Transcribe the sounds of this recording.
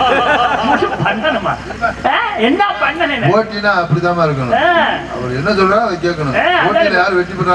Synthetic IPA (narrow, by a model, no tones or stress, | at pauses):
muɾupɐɳɖɐnɯma̰ː | eɛnːapɐɳɖɐnenːoːʈːinaːɐpːɐɽit̪aːmaːɪɾɯk̬ːɐnʊ̰̃ɐʋɐɾɛnːɐsɔlɾaːʋɐɪk̬ːeːk̬ːɐɳʊ̃ẽkoːʈːilɐjaːɾɯʋɛʈːipːɐʈːa